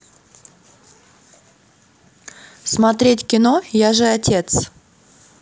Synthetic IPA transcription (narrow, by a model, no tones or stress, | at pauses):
smɐt̪ɾʲetʲkʲɪno̞jaʐɨɐtʲe̞t̪s